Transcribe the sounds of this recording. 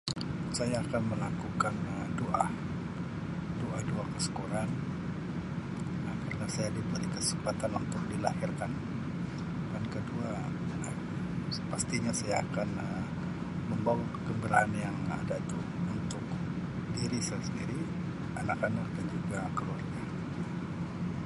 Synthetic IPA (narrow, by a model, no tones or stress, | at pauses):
sajaːkanməlakukanədoʔah | doahdoahkəsə̥koɾan | nakarənasajadibəɾikəsəmpat̪anunt̪ʊk̚dilahɪrkan | bankədua | ə | əpast̪iɲasajaːkanə | məmbawa | ɡəmbəɾaanjaŋa̰dait̪u | unt̪ʊk̪̚ | diɾisajasəndiɾi | anakanak̚dand͡ʒuɡakəluarɡa